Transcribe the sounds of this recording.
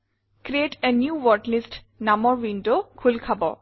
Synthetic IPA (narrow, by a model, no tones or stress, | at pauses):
kɾietɛnjuwɔɹʈlist | namɔɹwindokʰulkʰabɔ̰